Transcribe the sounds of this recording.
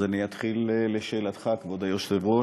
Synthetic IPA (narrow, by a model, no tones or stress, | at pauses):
aniat̪χilleʃeːlat̪χakvod̪ajoʃsevʁo